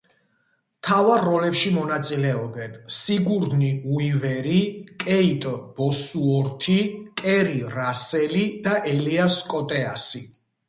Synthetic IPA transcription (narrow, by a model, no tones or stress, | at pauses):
t̪ʰavaɾːɔlɛpʃimɔnat̪sʼilɛɔbɛnsiɡuɾniuivɛɾikʼɛit̪ʼb̥ɔsuɔɾt̪ʰikʼɛɾiɾasɛlid̪̥aʔɛliaskʼɔt̪ʼɛasi